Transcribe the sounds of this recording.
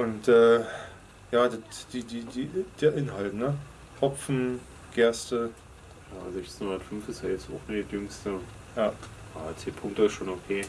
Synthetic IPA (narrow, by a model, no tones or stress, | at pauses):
ʔʊntʔɛː | jaːdatd̥iːdiːdiːd̥eːɐʔɪnɦaltnə | ɔp͡fn̩ | ɡ̥ɛɐstə | jaːzɛçt͡sn̩hʊndɐtfʏnfɪstjajɛt͡sa̰ʊxnətjʏŋstə | jaː | aːt͡seːpʰʊŋktəɪsʃoːnokʰeː